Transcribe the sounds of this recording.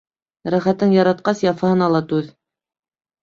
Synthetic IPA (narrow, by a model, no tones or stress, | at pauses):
ɾæχæt̪ːɘŋjɑɾɑt̪̚qɑsjɑfɑhɤ̆nɑlˠɑt̪ʉð